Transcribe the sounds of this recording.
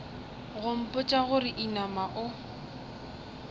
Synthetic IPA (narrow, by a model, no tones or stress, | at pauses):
ɣʊm̩pʼʊt͡ʃʼaɣʊɾɪʔinamaʔʊ